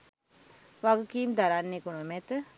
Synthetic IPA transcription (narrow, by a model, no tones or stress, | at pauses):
ʋaɡukiːmd̪aɾanːekunəmɛt̪ə